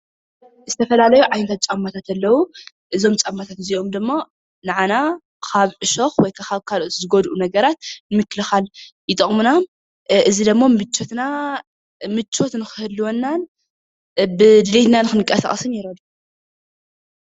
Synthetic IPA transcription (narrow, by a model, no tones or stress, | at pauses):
zɨt̪ʰɐfɐlalɐjuʕajnɐt̪ʰat̪̚t͡sʼɐmːat̪ʰat̪ɐlːɐwu | ʔɨzo̞mt͡sʼɐmːat̪ʰat̪ɨziʔomd̪ɨmːo | naʕana | kʰaβʕɨʃoxwɔjkʰaxaβkʰalot̪zɨɡod̪ʔunɐɡɐɾat̪̚nɨmɨkːɨlɨxaljɪt̪ʼɨχʼmunam | ʔɨzid̪ɐmːomɨt͡ʃʰːot̪na | mɨt͡ʃʰːo̞t̪nɨxɨhɨlːwonːan | bɨd̪ɨlet̪nanɨxɨnɨkʼːɐsɐ̰χʼɐsɨnjɪɾɐd̪u